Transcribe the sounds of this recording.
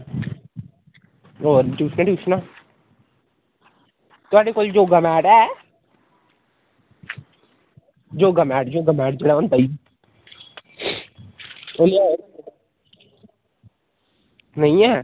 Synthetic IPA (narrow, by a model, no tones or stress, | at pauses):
oːʈuːsʰnaʈjuːsnaː | t̪ʊaːɽekold͡ʒoːɡəmɛːʈɛː | d͡ʒoːɡəmɛːʈd͡ʒoːɡəmɛːʈd͡ʒeːɽaond̪aːi | ʊnː | nəĩɛː